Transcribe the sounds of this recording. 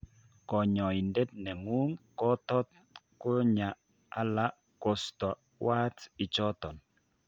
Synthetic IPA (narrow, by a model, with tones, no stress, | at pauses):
kɔ˨ɲɔ˨i˨nde˦t̚nɛ˨ŋu˦ŋkɔ˦tɔ˦t̚ | kʊ˦ɲa˨ | a̰˨la˦ | kɔ˨stɔ˨ | wa˦tɪ˨t͡ʃɔ˦tɔ˨n